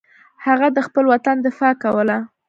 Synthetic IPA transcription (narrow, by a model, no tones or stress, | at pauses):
haɣad̪əxpəlwat̪and̪ɪfɑkawəla